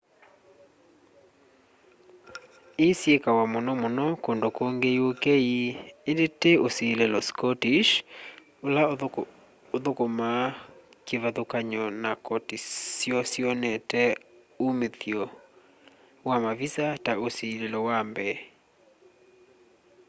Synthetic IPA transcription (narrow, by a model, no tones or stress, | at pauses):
esjekawamonɔmonɔkondokoŋɡeiokɛiendeteosiːlelɔskɔtiʃ | ola | oðokoma | keβaðokaɲɔnakɔtisjɔsjɔnɛtɛ | omeθjɔ | wamavisataosilelɔwambɛ